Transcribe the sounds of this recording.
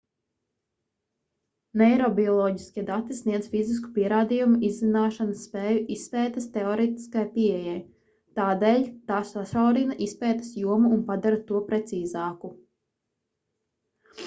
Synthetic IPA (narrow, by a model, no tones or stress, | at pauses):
nɛjɾɔbiɔlˠɔːɟiskʲiɛd̪at̪isniɛzfizis̬ku̥piɛɾaːd̪ijumuʔizːinaːʃanɐsːpɛːjuʔisːpɛːt̪ɐst̪ɛɔɾɛt̪i̥skajpiejaj | t̪aːd̪eːʎʲt̪aːsasawɾinaʔispɛːt̪ḁsjuɔmuːnpad̪aɾat̪uɔpɾɛt̪siːzaːku